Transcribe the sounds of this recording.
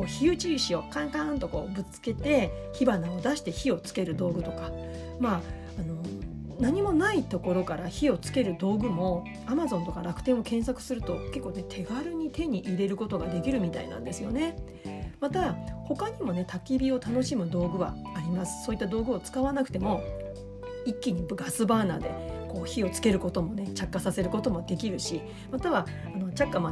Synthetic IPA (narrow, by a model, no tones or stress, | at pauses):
ko̞ːçiɯ̟t͡ɕiɕio̞kãŋkãnt̪o̞ko̞̰ːbɯ̟t͡sɨ̥ke̞t̪e̞çibanao̞d̪aɕi̥t̪e̞çio̞t͡sɨ̥ke̞ɾɯ̟d̪o̞ːɡɯ̟t̪o̞ka | maː | no̞ | naɲ̟imo̞nait̪o̞ko̞ɾo̞kaɾaçio̞t͡sɨ̥ke̞ɾɯ̟d̪o̞ːɡɯ̟mo̞ | amazõ̞nt̪o̞kaɾak̟t̪ẽ̞ɰ̃o̞kẽ̞ɰ̃sakɯ̟̥sɨɾɯ̟t̪o̞ke̞kːoːne̞t̪ʰe̞ɡaɾɯ̟ɲ̟it̪e̞ɲ̟iʔiɾe̞ɾɯ̟ko̞t̪o̞ɡad̪e̞kʲiɾɯ̟mʲit̪a̰ḭnã̰nd̪e̞sɨjo̞̰ne̞ | mat̪aho̞kaɲ̟imo̞ne̞t̪ʰakʲibʲio̞t̪ano̞ɕimɯ̟d̪o̞ːɡɯ̟βa̰ːɾʲimasɨ̥so̞ːit̪ːad̪o̞ːɡɯ̟o̞t͡sɨ̥kaβanakɯ̟̥t̪e̞mo̞ | ikʲːiɲ̟ibɡasɨbaːna̰ːd̪e̞̰ko̞ːçio̞t͡sɨ̥ke̞ɾɯ̟ko̞t̪o̞mo̞ne̞t͡ɕakːasase̞ɾɯ̟ko̞t̪o̞mo̞d̪e̞kʲiɾɯ̟ɕi | mat̪aβaː | no̞t͡ɕakːama